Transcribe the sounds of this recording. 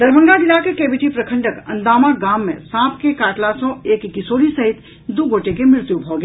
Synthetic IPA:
d̪ɐɾbʱə̃ŋɡaɡɪnakekeːbɪʈipɾəkʰə̃ɳɖəkɐ̰̃nd̪aːmaɡaːmːḛ̃sãːpʰkekaːʈlasɔ̃eːkɡɪsoːlisɐɦɪt̪ | d̪uɡʱoːʈekemɾɪɾt̪jubʱoɡe

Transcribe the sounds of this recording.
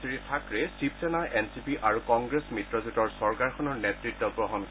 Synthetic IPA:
siɹitʰakɹɛsip̚sɛnaʔɛnsipiʔaɹukɔŋɡɹesmitɹɔzutɔɹsɔɹkaɹkʰɔnɔɹnetɹitːɔbɹɔɦɔn

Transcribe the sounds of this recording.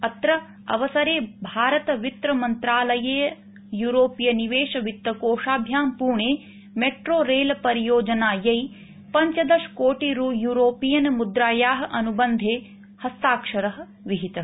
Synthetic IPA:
ɐt̪ɾɐ | ɐ̰ʋɐsɐɾeːbʱaːɾɐt̪ɐʋit̪ɾɐmɐnt̪ɾaːlɐjeːɐ | juːɾoːpijɐniʋeːʂɐʋit̪ːɐkoːʂaːbʱjaːmpuːɳeː | meʈɾoːɾeːlɐpɐɾijoːd͡ʒɐnaːjɐj | pɐɲt͡ʃɐd̪ɐʂkoːʈiɾujuːɾoːpijɐnɐmud̪ɾaːjaːɦɐ̆ʔɐnubɐnd̪ʱeː | hɐst̪aːkʂɐɾɐɦɐ̆ | ʋiɦit̪ɐ

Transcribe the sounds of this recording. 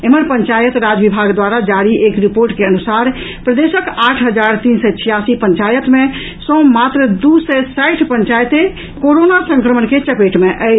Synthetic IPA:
eməɾpəɲt͡ʃajət̪ɾad͡ʒʋibʱaɡd̪waɾad͡ʒaɾiʔekɾipoɾʈkeənusaɾ | pɾəd̪esəkaːʈʰɦəd͡ʒaɾt̪iːnsɛt͡ʃʰijasipəɲt͡ʃajət̪mẽ | sɔ̃ːmat̪ɾəd̪usɛsaʈʰpəɲt͡ʃajət̪e | koɾonasə̃ŋkɾəmənket͡ʃəpeʈmeʔə

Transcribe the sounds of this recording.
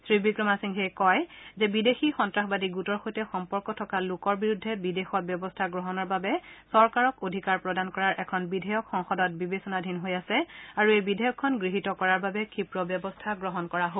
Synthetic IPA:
sɹibikɹɔmasiŋxekɔjzɛbidexixɔntɹaxbadiɡutɔɹxojtɛxɔmpɔɹkɔtʰɔkalʊkɔɹbiɹudʱːɛbidexɔt̚bjɔbɔstʰaɡɹɔɦɔnɔɹbabɛsɔɹkaɹɔkodʱikaɹpɹɔdankɔɹaɹʔɛkʰɔnbidʱɛjɔkxɔŋxɔdɔt̚bibesɔnadʱinɦojasɛaɹuejbidʱɛjɔkʰːɔnɡɹiɦitɔkɔɹaɹbabɛkʰipɹɔbjɔbɔstʰaɡɹɔɦɔnkɔɹaɦo

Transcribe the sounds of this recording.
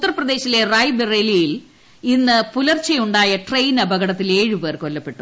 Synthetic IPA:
ut̪ːɐrɐprɐd̪e̞ːɕilerɐjbɨrelijil | inːɨpulɐrt͡ɕɐjuɳɖaːjɐʈrejnɐbʱɐɣɐɽɐt̪ːile̞ːɻipeːrko̞lːɐpːe̞ʈːu

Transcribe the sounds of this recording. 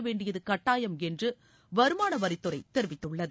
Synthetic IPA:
ɐʋeːɳɖɪjɐðɯkɐʈːaːjɐmɛndrɯ | ʋɐɾɯmaːnɐʋɐɾɪt̪ːɯɾɐɪt̪ɛɾɯʋɪt̪ːɯɭːɐðɯ

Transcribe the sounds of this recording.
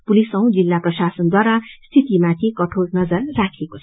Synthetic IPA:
pulisʌw̃d͡zilːaprʌsasʌnd̪waɾast̪ʰit̪imãt̪ʰikʌʈʰolnʌd͡zʌrːakʰekot͡sʰ

